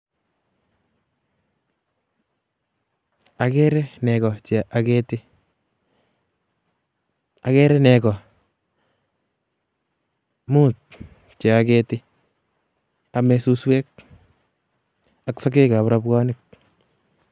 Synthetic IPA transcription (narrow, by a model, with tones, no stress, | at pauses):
a˨kɛ˦ɾɛ˦nɛ˨kɔ˨t͡ʃe˨ʔakɛtɪ | a˨kɛ˦ɾɛ˦nɛ˨kɔ˨ | mu˦t̚ | t͡ʃe˨a˨kɛtɪ˦ | a˨mɛsuswɛ˦k̚ | aksa˦k̬e˦ka˨pɾa˦pkɔ˦nɪk̚